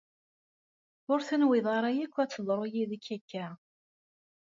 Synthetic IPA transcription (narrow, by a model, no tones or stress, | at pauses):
ʊɾθənwɪðˤɑɾˤajækʷːæt͡sːəðˤɾˤojiðækːækːæ